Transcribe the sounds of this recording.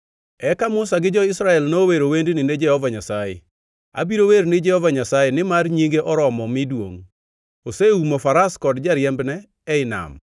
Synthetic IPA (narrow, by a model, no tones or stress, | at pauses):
ɛkamʊsaɡɪd͡ʒɔɪsɾaɛlnoweɾowendnɪned͡ʒɛhɔvaɲasajɛ̰ | a̰biɾoweɾnɪd͡ʒɛhɔvaɲasajɛnɪmarɲiŋɡeʔɔɾɔmɔmɪdwo̰ŋ | oseumofaɾaskɔdd͡ʒaɾjɛmbnɛː | ɪna̰m